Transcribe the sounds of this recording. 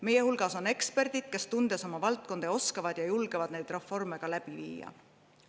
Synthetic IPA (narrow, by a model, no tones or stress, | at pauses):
me̞je̞hulɡ̥ɑso̞ne̞kspe̞rd̪̥id̪̥ke̞st̪und̪̥e̞so̞mɑvɑlt̪̚ko̞nd̪̥eo̞skɑvɑd̪̥jɑjulɡ̥evɑd̪̥̚ne̞jd̪̥re̞fːo̞rme̞ɡ̥ɑlæb̥ivḭːjɑ̰